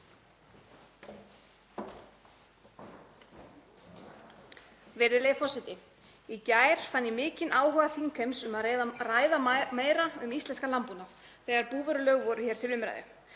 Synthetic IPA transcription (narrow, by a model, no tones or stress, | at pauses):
vɛɾɪɾlejfɔsɪt̪ɪ | icaːjɾ̥fanjɪmɪːcɪnʔaːwhœɣaθiŋkʰɛmsʏmaððaraːjðameːjɾaʏmist̪lɛnskalampunaf | θɛɣaɾpuːvɛɾʏlœɣvɔɾʏçɛːɾt̪ʰɪlʏmɾa̰jðɪ̰